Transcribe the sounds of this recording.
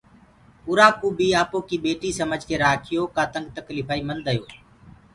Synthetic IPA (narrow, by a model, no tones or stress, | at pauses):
ʊɾaːkuːbiːaːpoːkiːɓeːʈiːsəməd͡ʒʱkeːɾaːkʰɪjoːkaːt̪əŋɡ̚t̪əkliːfʰaːiːmənd̪əjoː